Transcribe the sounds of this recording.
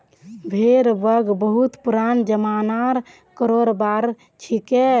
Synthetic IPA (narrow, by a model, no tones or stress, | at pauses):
bʱeɾbəɡbəɦut̪puɾand͡ʒəmanaɾ | kəɾoɾbaɾ | t͡ʃʰike